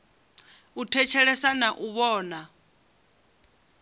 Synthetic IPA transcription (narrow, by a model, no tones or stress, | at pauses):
utʰɛt͡ʃʰɛɺɛsanaʔuβɔːna